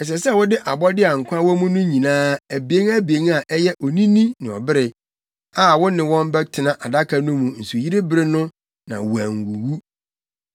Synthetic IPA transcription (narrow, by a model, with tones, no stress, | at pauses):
ɛ˨ɕ̬ɛ˨sɛ˦˨wʊ˦dɪ˦ʔa˨bɔ˦dɪ˦a˨ŋ̩˨kʷʰã˦wɔ˦mũ˦nʊ̃˦ɲĩ˨nãː˦æ˨bi˨e˦ŋæ˦bi˨e˨˦ŋa˨ʔɛ˦jɛ˦ʔɔ˨nĩ˦nĩ˦nɪ̃˨ɔ̰˨bɪ˦ɾɪ˨ | a˨wʊ˦nɪ̃˨wɔ̃˦m˦bɛ˦tʰɪ˨nã˨ʔa˨da˦kʰa˨nʊ̃˦mũ˨n̩˨su˨ji˦ɾe˦bɪ˦˨ɾɪ˦nʊ̃˦ | nã̰˨wu˨æ˨ŋ˨wu˨wu˦